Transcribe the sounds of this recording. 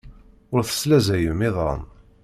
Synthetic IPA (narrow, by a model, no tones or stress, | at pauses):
ʊɾθə̥slæzæjəmɪðɑ̰n